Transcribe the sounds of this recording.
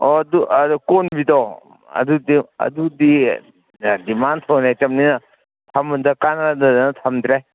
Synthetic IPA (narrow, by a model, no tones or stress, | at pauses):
ɔduɐdukonbidɔ | ɐ̰dudiɐ̰dudi | dimant̪ʰɔwnajt͡ʃɐmninɐ | t̪ʰɐmundɐkanɾadɐdnɐt̪ʰɐmd̪ɾe